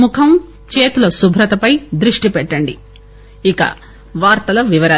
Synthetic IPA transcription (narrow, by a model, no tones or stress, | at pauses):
mukʰɐm | t͡ʃeːt̪ulɐsubʱɾɐt̪ɐpɐjd̪ɾuʂʈipɛʈːɐɳɖi | ikɐ̰ | ʋaːɾt̪ɐlɐʋiʋɐɾɐ